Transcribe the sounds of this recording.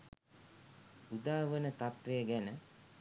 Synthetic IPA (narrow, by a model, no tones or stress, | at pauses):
ud̪aːʋənət̪at̪ʋejəɡænə